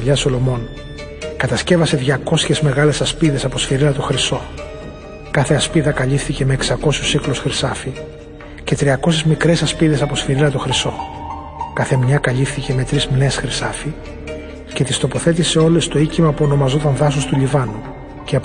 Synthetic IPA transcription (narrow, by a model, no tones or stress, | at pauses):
ʎɐso̞lo̞mo̞n | kɐt̪ɐsce̞vɐse̞ðʝɐko̞sçe̞zme̞ɣɐle̞sɐspiðe̞sɐpo̞sfiɾilɐt̪oxɾiso̞ | kɐθe̞ɐspiðɐkɐʎifθice̞me̞ːksɐko̞susiklosxɾisɐfi | ce̞t̪ɾiɐko̞sezmikɾe̞sɐspiðe̞sɐpo̞sfiɾilɐt̪oxɾiso̞ | kɐθemɲɐkɐʎifθice̞me̞t̪ɾizmine̞sxɾisɐfi | ce̞t̪ist̪o̞po̞θe̞t̪ise̞o̞le̞st̪o̞icimɐpuo̞no̞mɐzo̞t̪ɐnðɐsust̪uʎivɐnu | ceɐ